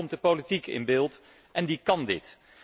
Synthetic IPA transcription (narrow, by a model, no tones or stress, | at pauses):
ɔmdəpolitikɪ̰nbɪːlˠt | ʔɛndikɑndɪ̰t